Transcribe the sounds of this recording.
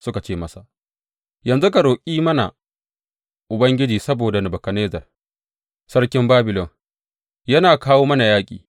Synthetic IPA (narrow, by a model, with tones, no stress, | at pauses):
sʊ˦ka˨t͡ʃeː˦˨mɐ˦sa˨ʔ | jɐ˨nzu˦ka˨ɽoː˨kʲʼiː˦mɐ˦na̰˨ | ʔʊ˨bɐ˦ŋɡʲɪ˦d͡ʒiː˨sɐ˦boː˨da˨nɪ˨bɐ˨kɐ˨neː˦zɐ˨r | sɐ˦ɽkʲɪ˦mbaː˦bɪ˨lɔ˨ŋ | jɐ˦naː˨kaː˦woː˦mɐ˦na˨jaː˦kʲʼḭː˨